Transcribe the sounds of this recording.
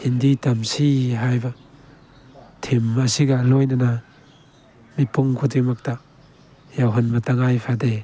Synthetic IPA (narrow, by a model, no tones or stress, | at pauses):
hinditɐmsiɦajba | tʰimasiɡalɔjnana | mipuŋkʰudimɐk̚ta | jawɦɐnmɐtaŋajpʰade